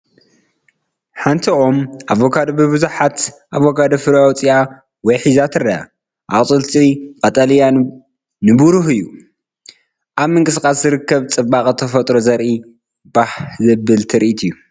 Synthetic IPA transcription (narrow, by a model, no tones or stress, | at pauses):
ħant̪ʰiʔomʔavokʰad̪bɨβɨzuħat̪ʔavokʰad̪ofɨɾawt͡sʼia | wɔjħizat̪ʰɨɾɐa̰ | ʔaʔʼtʼɨlt̪ʰiqʼɐt̪ʼalija | nɨbuɾuhɨjːu | ʔaβmɨŋkʼɨsɨkʼaszɨɾɨkːɐβt͡sʼɨbaχʼt̪ʰɐfɐt̪ʼɾozɐɾʔi | baħzɐbɨlt̪ʰɨɾiʔit̪ʰɨjːu